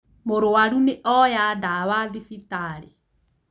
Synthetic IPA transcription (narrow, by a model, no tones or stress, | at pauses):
moɾowaɾuneʔɔjadawaðifitaɾe